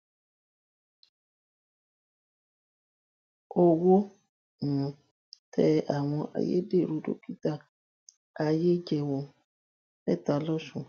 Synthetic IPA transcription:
o˨wo˦ | nũ˨ | tʰɛ˦a˨w̃ɔ̃˧ʔa̰˨jḛ˦de˦˨ɾu˨do̰˦ki˦ta˦ | a˨je˦d͡ʒɛ˨wɔ˨ | nɛ̰˦˨ta˨lɔ˦ʃũ˨

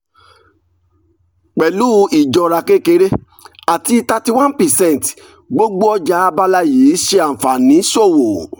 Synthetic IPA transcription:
k͡pɛ˨lu˦i˨d͡ʒɔ˧ɾa˧ke˦ke˧˦ɾe˦ | a˨ti˧ta˧ti˧wã˦npɛ˨sɛ̃˦n˨t | ɡ͡bo˦ɡ͡bo˦ɔ˦d͡ʒa˦a˧ba˦la˦ji˨˦ʃe˧ã˨fa˨nĩ˨˦so˦˨wo˨

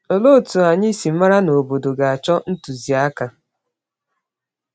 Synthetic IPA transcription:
o˨lo˦˨tu˨a˨ɲi˦si˨m̩˦ma˦ɾa˦no˨bo˨do˨ɡa˨a˨t͡ʃɔ˦n̩˦tu˨zi˨a˦ka˨

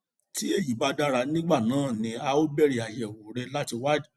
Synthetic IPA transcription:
ti˦e˦˨ji˨˦ba˧da˧ɾa˧nĩ˦ɡ͡ba˦˨nãː˨˦˨nĩ˧a˧o˦bɛ˦˨ɾi˨a˨jɛ˨wo˨ɾɛ˧la˦ti˧wa˦d

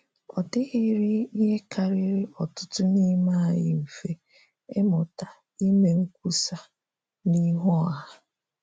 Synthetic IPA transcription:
ɔ̰˨tɪ˦ɣɪ˦ɾɪ˦i˦ɦe˦ka˨ɾɪ˦ɾɪ˦ɔ˨tʊ˦tʊ˦ni˦ma˦a˨jɪ̰˨m̩˨fe˦ | e˦mɔ˨ta˨ | i˦me˨ŋ̩˦kʷu˦sa˦ | ni˦ɦɔ˦a˨a˦

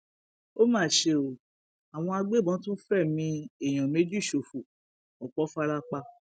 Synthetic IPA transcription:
o˦mãː˦˨ʃe˧o˨ | a˨w̃ɔ̃˧a˧ɡ͡be˦˨bɔ̃˨˦tũ˦fɛ˦˨mĩ˧e˦˨j̃ã˨me˨˦d͡ʒu˦i˦˨ʃo˨fu˨ | ɔ˨k͡pɔ˨˦fa˦˧ɾa˧k͡pa˧

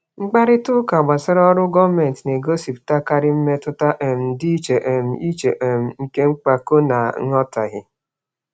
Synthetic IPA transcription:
ŋ͡m̩˦ɡ͡ba˦ɾɪ˦tʊ˦ka˨ɡ͡ba˨sɪ˦ɾɔ˦ɾʊ˦ɡɔ˦me˨n˨tne˨ɡo˦si˨pta˦ka˦ɾɪ˦m̩˦me˦tʊ˦ta˦ʔe˨m̩˨di˦t͡ʃe˨ʔe˨m̩˦i˦t͡ʃe˨ʔe˨m̩˨ŋ̩˦ke˦ŋ͡m̩˦k͡pa˨ko˦na˨˦ŋ˦ɔ˦ta˨ɣɪ˦

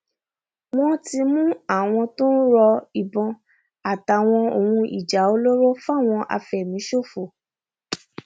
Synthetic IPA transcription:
w̃ɔ̃˦ti˧mũ˦a˦˨w̃ɔ̃˧to˦n̩˦ɾɔ˧i˨bɔ̃˨˧ | a˨ta˨w̃ɔ̃˧o˨hũ˧ḭ˨d͡ʒa˨˦o˧lo˦ɾo˦fa˦˨w̃ɔ̃˧ʔa̰˧fɛ˨mĩ˨˦ʃo˦˨fo˨

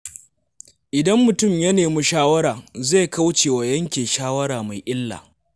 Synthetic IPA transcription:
ʔɪ˨dɐ˦mːʊ˨tʊ˦˨mjɐ˦neː˨mu˦ʃaː˦wɐ˦ɾaː˨ze˦˨ka˦wt͡ʃeː˨wa˨jɐ˦ŋkʲeː˨ʃaː˦wɐ˦ɾaː˨ma˨jʔɪ˦lːa̰ː˨

